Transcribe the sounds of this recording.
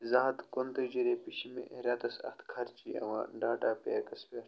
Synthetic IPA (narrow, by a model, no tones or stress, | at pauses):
zaːd̪kont̪ɐd͡ʒiɾepiʃimḛ̃ʔeɾat̪ɐsɐ̰xt̪kʰɐɾt͡ʃiɐ̰ʋã̰ːɖaːʈaːpekɐspʲe